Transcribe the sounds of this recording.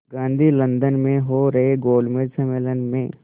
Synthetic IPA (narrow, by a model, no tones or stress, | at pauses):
ɡãːnd̪ʱilɐ̃nd̪ənmẽɦoɾɐɦeɡoːlɖmẽʈsɐmeːlənmẽː